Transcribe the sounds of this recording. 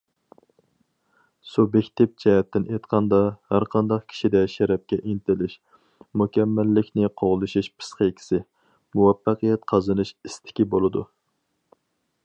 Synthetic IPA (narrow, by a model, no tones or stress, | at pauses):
subjekʲt̪ʰɪp̚d͡ʒʰɛɦɛt̪ːɪnʔet̪qʰɑnd̪ɑhæɾqʰɑnd̪ɑqkʲʰi̥ʃid̪ɛʃæɾɛp̚kʲɛʔint̪ɪlɪʃ | mukʲʰɛmːælːɪkʲnɪqʰoʁlˠɨʃiʃpʰɨ̥sqekʲʰi̥sɪ | muwɛfːɑqɨjɛt̪̚qʰɑzɨnɨʃist̪ʰɪ̥kʲibolˠɨd̪u